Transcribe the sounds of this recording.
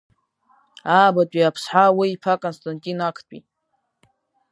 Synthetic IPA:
abatʷʼiapʰsħawiipʰakʼonstʼantʼinakʰtʷʼḭ

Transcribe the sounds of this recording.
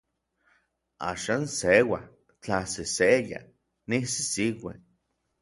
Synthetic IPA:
a̰ːʃansewah | t͡ɬaseseja̰ | nisi̥siwḛ

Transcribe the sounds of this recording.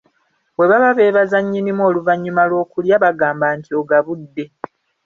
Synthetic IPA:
βwe̞βaβaβe̞ːβazaɲːinimoːluvaɲːumalwo̞ːkuljaβaɡaːmbaːntʰio̞ɡaβudːe̞

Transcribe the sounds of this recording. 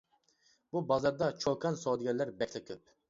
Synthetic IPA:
bubɑzɑɾd̪ɑt͡ʃʰokʰɑnsowd̪ɪɡʲɛllːæɾbɛkʲʰlɛkʲʰøp̚

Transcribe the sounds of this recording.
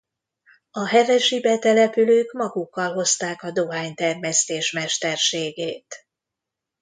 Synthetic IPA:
ɒɦɛvɛʃibɛt̪ɛlɛpyløːkmɒɡukːɒlɦo̞st̪aːkɒd̪o̞ɦaːɲt̪ɛrmɛst̪eːʃmɛʃt̪ɛrʃeːɡeːt̪

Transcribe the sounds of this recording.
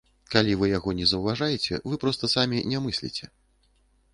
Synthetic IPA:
kalʲivɨjaɣɔnʲɛzɐwvaʐajɛt͡sʲɛ̰vɨpɾɔst̪ɐsamʲinʲɛmɨsʲlʲḭt͡sʲɛ

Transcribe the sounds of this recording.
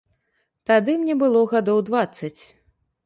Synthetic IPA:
t̪ad̪ɨmnʲɛbɨlˠɔɣad̪ɔwd̪vat̪sːɐt͡sʲ

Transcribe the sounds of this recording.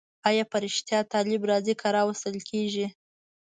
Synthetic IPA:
ɑjɑpəɾɪʃt̪jɑt̪ɑlɪbɾɑzikʰaɾɑwəst̪əlkʰeʒi

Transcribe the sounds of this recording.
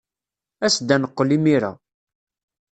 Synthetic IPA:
æsd̪ænəqːlimiɾæ̰

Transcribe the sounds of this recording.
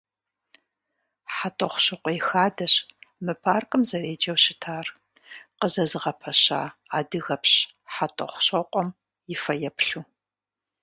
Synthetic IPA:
ħatʼɐχʷʊɕɐqʷʼɔjxaːdɐɕmɨpʰaːrkʼɨmzɐreːd͡ʒɐwɕɪtʰaːr | qəzɐzɨʁɐpʰɐɕa̰ːaːdɨɣɐpɕ | ħatʼɐ̰χʷʊɕɐqʷʼɔm | jɪfɐjɛpɬuː

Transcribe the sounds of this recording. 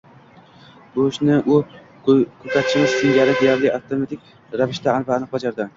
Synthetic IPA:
boʃnɪʔʊ | kʰɵt̪ʰat̪ʰɪ̥ʃɪmɪz̥sɪŋd͡ʒaɾɪd̪ejaɾlɪaft̪ʰomat̪ʰɪk̚ʲ | ɾavɪʃt̪aːnpaːnɨq̚bad͡ʒaɾd̪ɪ

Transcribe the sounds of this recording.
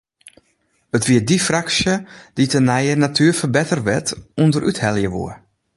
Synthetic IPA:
ətʋiədifraksjəd̥itʰənɛjənatʰyəfərbɛtərʋɛtundəɾʔythɛlˠjəʋṵə

